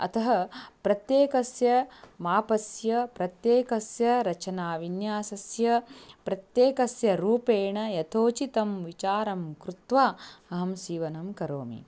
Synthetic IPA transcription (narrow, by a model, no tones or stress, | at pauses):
ɐ̰t̪ʰɐɦɐpɾɐt̪jeːkɐsjɐmaːpɐsjɐpɾɐt̪jeːkɐsjɐɾɐt͡ʃɐnaːʋinjaːsɐsjɐpɾɐt̪jeːkɐsjɐɾuːpeːɳɐjɐt̪ʰoːt͡ʃit̪ɐmʋit͡ʃaːɾɐmkɾut̪ʋaːɐɦɐmsiːʋɐnɐmkɐɾo̰ːmḭ